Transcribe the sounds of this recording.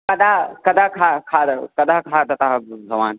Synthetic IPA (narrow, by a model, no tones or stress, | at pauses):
kɐd̪akɐd̪ʱakʰakʰad̪kɐd̪aɦkʰat̪ɐt̪aɦɡɐʋaːn